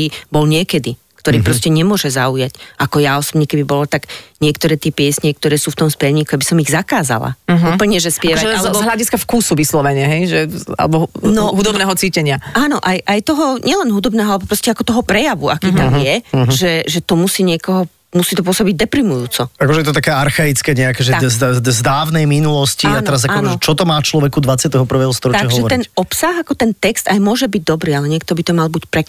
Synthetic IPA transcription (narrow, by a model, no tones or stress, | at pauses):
ibɔlɲɪɛkɛd̪i | kt̪ɔɾiːpɾɔscɛɲɛmʊɔʒɛzaujacʔakɔjaɔsɔbɲɛkɛb̪ibɔlɔt̪aɡɲɪɛkt̪ɔɾɛːt̪ɪɛpɪɛsɲɛk̚t̪ɔɾɛːsuːft̪ɔmspɛlɲiːkuabisɔmiɣzakaːza̰la̰upl̩ɲɛʒɛspɪɛʋaaalzɦʎaɟiskafkuːsuʋislɔʋɛɲɛɦɛjʒɛa̰lɛbɔnɔɦud̪ɔbnɛːɦɔt͡siːcɛɲɪaaːnɔʔajʔajt̪ɔɦɔɲɛlɛnɦud̪ɔbnɛːɦɔalɛbɔpɾɔscɛakɔt̪ɔɦɔpɾɛjaʋuakiːt̪amjɛʒɛʒɛt̪ɔmusiːɲɪɛkɔɦɔ | musiːt̪ɔp̬ʊɔsɔbiɟd̪ɛpɾimujuːt͡sɔakɔʒɛjɛt̪ɔt̪akɛaɾxait͡skɛɲɛakɛʒɛzzd̪aːwnɛjminulɔsciatnɛɾazakːɔʒɛt͡ʃɔt̪ɔmaːt͡ʃlɔʋɛkud̪ʋat͡sɪat̪ɛɦɔpr̩ʋɛːɦɔst̪ɔɾɔt̪t͡ʃaaɦɔʒɛʋɔɾt̪iɛnɔpsaɣakɔt̪ɛnt̪ɛkst̪ajmʊɔʒɛbiɟ̚d̪ɔbɾiːalɛɲɪɛk̚t̪ɔbit̪ɔmalbicpɾɛ